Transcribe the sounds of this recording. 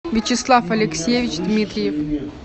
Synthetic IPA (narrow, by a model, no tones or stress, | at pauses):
vʲit͡ɕɪslˠafɐlʲɪksʲjevʲit͡ɕd̪mʲit̪ɾʲɪjef